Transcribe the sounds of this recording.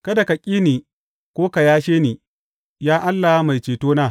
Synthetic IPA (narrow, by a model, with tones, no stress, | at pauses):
kɐ˦da˨ka˨kʲʼiː˦niː˨ | kʷoː˦ka˨jaː˦ʃeː˦niː˨ | jaː˦ʔa˦lːa˨ha˦ma˨jt͡ʃeː˨toː˦naː˦˨